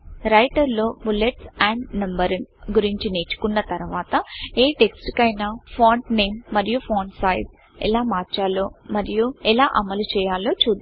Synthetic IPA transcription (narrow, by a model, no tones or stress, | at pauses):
ɾɐjʈɐɾlo̞ːbuleʈsaːɳɖnɐmbɐɾɐnɡuɾiɲt͡ʃineːt͡ʃu̥kunːɐt̪ɐɾuʋaːt̪ɐeːʈe̞ksʈkɐjnaːpʰoːɳʈne̞ːmːɐɾijupʰoːɳsaːjs | ɛ̰laːmaːɾt͡ʃaːloːmɐɾijuɛlaːʔɐmɐlut͡ʃɛːjaːlo̞ːt͡ʃuːd̪